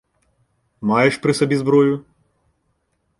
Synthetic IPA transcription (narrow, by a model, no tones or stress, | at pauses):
majɛʃpɾɨsɐbʲizbɾɔjʊ